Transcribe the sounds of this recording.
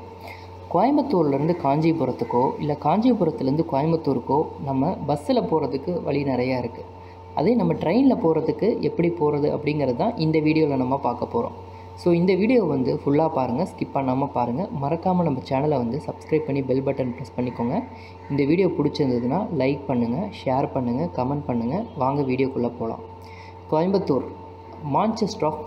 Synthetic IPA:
koːjɐmɐt̪ːuːɾlɐɾɯnd̪ɯkaːɲd͡ʒipʊɾɐt̪ːɯkːoːʔɪ̰lːɐkaːɲd͡ʒipʊɾɐt̪ːɪlɐɾɯnd̪ɯkoːjɐmbɐt̪ːuːɾɯkːoːnɐmːɐbɐsːɪlɐpoːɾɐðɯkːɯʋɐ̰ɭinɪɾɐjaːɪɾɯkːɯ | ɐ̰ðeːnɐmːɐʈɾɐɪnlɐpoːɾɐðɯkːɯʔɛpːɐɽipoːɾɐðɯʔɐ̰pːɐɽɪŋɡɪɾɐðɯt̪ãːʔɪnd̪ɐʋiːɽɪjoːlɐnɐmːaːpaːɾkɐpːoːɾõ̰ː | soːɪnd̪ɐʋiːɽɪjoːʋɐnd̪ɯfʊɭːaːpaːɾɯŋɡɐskɪpːɐɳːaːmɐpaːɾɯŋɡɐmɐɾɐkːaːmɐnɐmːɐt͡ʃaːnɐlɐʋɐnd̪ɯsɐbskɾɐɪb̚pːɐɳːibɪlbɐʈːɐnʈɾɐspɐɳːɪkːoːŋɡɐ | ɪnd̪ɐʋiːɽɪjoːpʊɽɪt͡ʃːɯɾɯnd̪ɐðɯnːaːlɐɪk̚pɐɳːɯŋɡɐʂeːɾpɐɳːɯŋɡɐkɐmɛɳʈ̚pɐɳːɯŋɡɐʋaːŋɡɐʋiːɽɪjoːkʊɭːɐpoːlã̰ː | k̪ojɐmbɐt̪ːuːɾ | maːnt͡ʃɐsʈaːk

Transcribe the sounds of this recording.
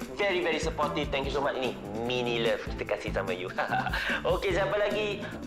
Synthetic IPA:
vɛɹivɛɹisəpɔtiv̥t̪ɛ̃ŋkjusomat͡ʃni | mĩniləftifikasisamãjuhaaokesiãpəlaɡi

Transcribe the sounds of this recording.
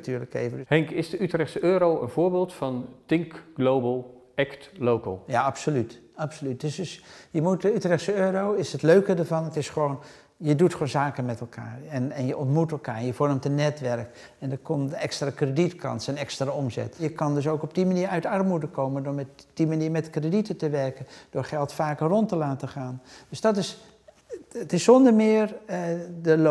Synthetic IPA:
tyːɹləkḛjvəhɛŋkɪsdəytrɛχtsəøːɾowə̰nv̥oːɹbeːlˠtfɑntɪŋkɡ̥lowbəlˠ | ɛktlowkə̰lˠjaɑpsolyt | ɑpsolyt̚døsəsjəmut̚dəytrɛχtsəøːɾowɪsətløɥkədəɹvɑnətɪsχəʋon | jədutχʋonzaːkənmɛtɛlˠkʰa̰ːrɛnɛnjəʔɔntmutɛlˠkaːɹɛnjəvɔrmtənːɛtʋɛrk | ɛndəkɔmdəɛkstraːkreditkɑ̰nsənɛkstraɔmzɛ̰tjəkɑndɵs̬owkɔb̚dimaniːɹœɥtɑrmudəkowməndoɹmɛtd̥imaniːɹmɛtkreditətəʋɛɹkənd̥ʊːɹχɛlˠtfaːkərɔntəlaːtəχaːnd̥øsdɑtɪs | ətɪsːɔndəɹmɪːɹ | dəl

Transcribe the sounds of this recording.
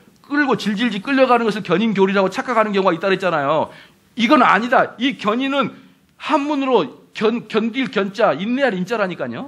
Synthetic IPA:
k͈ɯɭɡot͡ɕiɭd͡ʑiɭd͡ʑik͈ɯʎːʌɡanɯnɡʌs̬ʰɯɭkjʌɲinɡjoɾiɾaɡot͡ɕʰak͈ʰaɡanɯnɡjʌŋoɡait͈aɾɦet̚t͡ɕ͈anajo | iɡʌna̰ɲidaikjʌɲinɯn | hanmunɯɾokjʌnkjʌndiɭkjʌnt͡ɕ͈ainːeaɾint͡ɕ͈aɾɦaɲik͈aɲo

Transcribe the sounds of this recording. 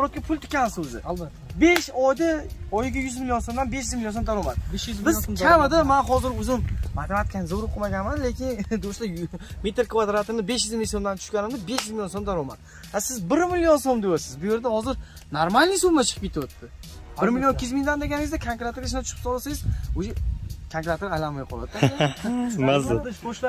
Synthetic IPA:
bɾɔt̪̚kʲapʰʊlʲˠt̪ʰʊ̥kʲːanɪsʊzɪ̰ː | be̞ʃɒjd̪aɒjɪɡʲajʊzmɪljonsomd̪anbe̞ʃjɪzmɪlʲjo̞nsomd̪aɾɒmad̪ɪbɪzkʲamɪd̪amanɦɒzɪɾʊzɪmmat̪amat̪̚kʰʲanzoɾʊqʰɨmaɡʲanmanle̞kʲʰɪnd̪oʃlɪme̞t̪ʰɪɾkʰvad̪ɾat̪ʰɪmnɪbe̞ʃjɪzmmɪsomd̪ant̪ʰʊ̥ʃkʲanɪmd̪ɪbe̞ʃjyzmɪljonsomd̪aɾɒma̰d̪ɪ | asɪzbɪɾmɪljonsomd̪ejasɪzbʊje̞ɾd̪ahɒzɪɾ | naɾmalnɪjsubmat͡ʃʰɨ̥ɨpkʲʰet̪ʰɪot̪ʰːɪ | bɪɾmɪlʲjokʲʰːɪjɪzmɪiŋd̪and̪e̞ɡʲanɪŋʲɪzd̪akʰaŋkʲɾat̪ɪɾɡʲaʃɪnat͡ʃʰʊ̥qʰɨp̪sɒlˠasajɪzoʃekʰankɾat̪ɾajlanmajqʰɒlˠad̪ | maz

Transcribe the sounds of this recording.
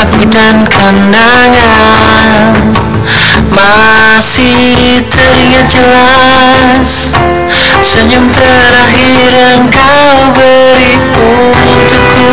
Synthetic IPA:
abudankʰandaŋa | n | mawasi | t̪əɾiŋad͡ʒəla | s | səɲumt̪ə | ɾaɦi | ɾanka | ubə | ɾipu | t̪uku

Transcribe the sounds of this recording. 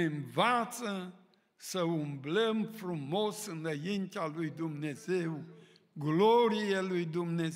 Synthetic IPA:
nvat̪sə | səumbləmfɾumosɨnəjint̪jalujd̪umnezew | ɡloɾijelujd̪umne

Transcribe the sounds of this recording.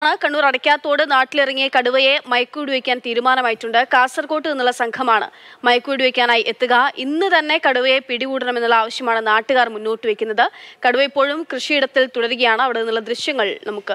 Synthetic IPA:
ɳɨkɐɳːuːrɐɽɐkʲːaːt̪ːo̞ːɽɨnaːʈːilirɐŋːijɐkɐɽuʋɐje̞mɐjɐkːuːɽuʋekʲːaːnt̪iːɾumaːnɐmaːjitːuɳɖɨkaːsɐrkoːʈːɨðinːulːɐsɐŋkʰɐmaːɳɨ̰mɐjɐkːuːɽuʋekʲːaːnaːjiʔe̞t̪ːuɣɐʔinːɨt̪ɐnːe̞kɐɽuʋɐjepiɽiɣuːɽɐɳɐme̞nːulːɐaːʋɐɕjɐmaːɳɨnaːʈːɨɣaːrmunːoːʈːɨʋekʲːunːɐðɨkɐɽuʋɐipːo̞ːɻumkrɨʂiːɽɐt̪ːilt̪uɽɐɾuɣɐjaːɳɨɐʋiɽenːulːɐd̪rɨɕjɐŋːɐɭnɐmukːɨ

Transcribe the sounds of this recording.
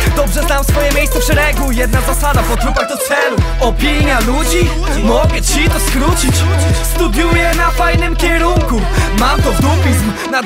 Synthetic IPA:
d̪ɔbʐɛznamfsfɔjɛmʲjejssɛfʂɛɾɛɡujɛd̪̚nazasad̪apɔt̪ɾupad͡ʑd̪ɔt̪sɛlu | ɔpʲiɲjalud͡ʑi | mɔɡɛt͡ɕit̪ɔskɾut͡ɕit͡ɕst̪ud̪jujɛnafajnɘmkʲɛɾuŋku | mat̪ɔvd̪upʲizm | na

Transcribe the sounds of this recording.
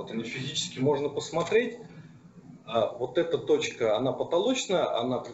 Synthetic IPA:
ot̪ɐnʲifʲɪzʲit͡ɕɪ̥skʲɪmo̞ʐnəpəsmɐt̪ɾʲet̚ʲ | avo̞t̪ɛt̪ət̪o̞t͡ɕkəɐnapət̪ɐlˠo̞t͡ɕnəjəʔɐ̰nat̪

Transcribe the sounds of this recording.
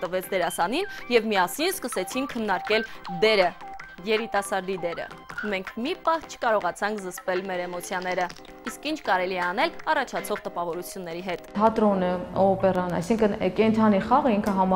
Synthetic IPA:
t̪əvɛt͡sʰd̪ɛɾɑsɑninjɛvmiɑsinskəsɛt͡sʰinkʰənːɑɾkɛld̪ɛɾəjɛɾit̪ɑsɑɾd̪id̪ɛɾə̰mɛŋkʰmipɑht͡ʃʰə̥kɑɾɔʁɑt͡sʰɑŋkʰzəspɛlmɛɾɛmɔt͡sʰjɑnɛɾə | iskint͡ʃʰkɑɾɛliɛɑn̪ɛlɑrɑt͡ʃʰɑt͡sʰɔʁt̪əpɑvɔɾut͡sʰjunːɛɾiɦɛt̪t̪ʰɑt̪ɾɔnəɔpɛrɑnɑ̰jsiŋkʰənkɛnt̪ʰɑniχɑʁəiŋkʰəɦɑm

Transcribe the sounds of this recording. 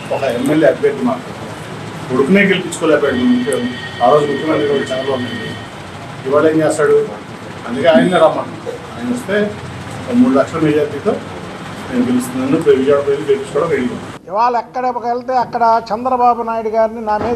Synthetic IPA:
ɔkɐemːeljeːɐd̚beːʈlumaːɾpɐt̪a | koɽukune̞ːɡelipit͡ʃːukoːlɛːpaːɽimunukeu | aːɾo̞ːd͡ʒuɡoɽkunɐnikolːɐt͡ʃɐkːɐloːɐnːɐɳɖi | iʋaːɭeːɲd͡ʒɛːst̪aːɽu | ɐnd̪ɐke̞aːjɐnɐːiɾaːmaːʈːut̪o | aːjɐnɐost̪e̞ː | ɐmmuːɽulɐkʂɐlɐmiːd͡ʒaːɾʈiːt̪o̞ː | ne̞ːmukelist̪unɐnːupʋid͡ʒaːɽɐp̬ojiniɡelpit͡ʃːukɔːɽɐʋeɽikoː | iʋaːɭɐɛkːɐɽeɔkelt̪eːɐkːɐɽɐt͡ʃɛnd̪ɾɐbaːbunaːjiɽuɡaːɾininaːmeː

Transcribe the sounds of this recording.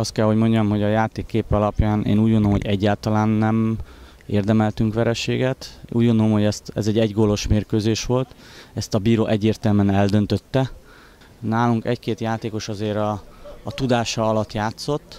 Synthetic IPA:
ɒst̪̚kɛlho̞ɟmo̞ɲɟɒmɦo̞ɟɒjaːt̪eːkːeːpɛɒlɒpjaːnʔḛːnuːɟɡondolomoɟɛɟːaːlt̪ɒlaːnːɛm | eːrd̪ɛmɛlt̪yŋkʋɛɾɛʃeːɡɛt̪ʔuːɟɡo̞nd̪olomhoɛst̪ɛ̰zɛɟːɛɟɡolo̞ʃmeːrkøːzeːʃʋo̞lt̪ | ɛst̪ɒbiːɾoːʔɛɟːeːrt̪ɛlmɛnɛld̪ø̞nt̪ø̞t̪ːɛ | naːluŋkɛ̰ckeːt̪jaːt̪eːko̞ʃɒzeːɾɒːt̪ud̪aːʃɒɒlɒt̪ːjaːt̪so̞t̪ː

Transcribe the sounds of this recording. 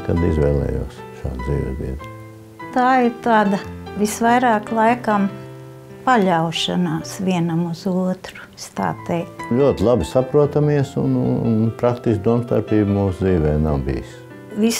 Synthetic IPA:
kad̪izʋɛ̰ːlˠɛ̰ːjṵːsʃa̰ːd̪d̪zḭːʋ̰ʲb̪ḭɛd̪ | t̪aːɪɾt̪aːd̪ɐʋisʋajɾaːklˠajkam | paʎʲawʃa̰naːsʋʲiɛnɐmuzuɔt̪ɾu̥ | st̪a̰ːt̪ɛjkt̪ʎuɔt̪ʲlˠabɪsapɾuɔt̪amiɛsṵnṵnnpɾak̚t̪isk̚d̪uɔmst̪aɾpiːbmuːsd̪ziːʋɛːjnawbḭːjs | ʋis

